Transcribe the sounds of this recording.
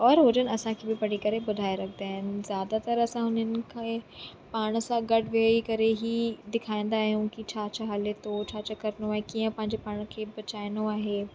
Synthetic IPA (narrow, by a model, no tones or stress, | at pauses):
ɔːɾɦʊd͡ʑənɪɐsãkʰeːbɪpɐɽ̤ikɐɾebʊd̪ʱaːeɾɐkʰnd̪aːɦɪnɪ̆zjaːd̪at̪ɐɾɐsãɦʊnənɪ̆kʰẽ | paːɽ̃sãɡɐɖ̤ʱʋikɐɾeɦid̪ɪkʰaːĩːn̆d̪aːɦijũkit͡ɕʰaːt͡ɕʰaɦalet̪ʰot͡ɕʰaːt͡ɕəkɐɾnoaːɦekiːə̃pɐ̃ɦɪ̃ɲd͡ʑepaːɽ̃kʰeːbɐt͡ɕaːɪnoaːɦeː